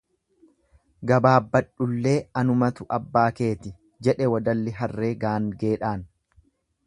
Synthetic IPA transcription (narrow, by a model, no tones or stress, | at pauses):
ɡɐbaːbːɐᶑʊlːe̞ːɐnʊmɐt̪ʊʔɐbːaːke̞ːt̪ɪ | d͡ʒɛᶑɛwɐd̪ɐlːɪɦɐrːe̞ːɡaːŋɡeːᶑaːn